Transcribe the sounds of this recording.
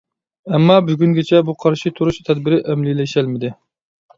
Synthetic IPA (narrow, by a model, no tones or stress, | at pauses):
ɛmːɑbyɡʲyŋɡʲɛt͡ʃʰɛbuqʰɑɾʃit̪ʰuɾuʃt̪ʰɛd̪̚bɪɾɪʔɛmlilɛʃælmɪd̪ɪ